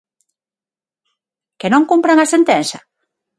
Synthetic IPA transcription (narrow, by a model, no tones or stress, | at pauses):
kenõŋkumpɾaŋasent̪ɛnsa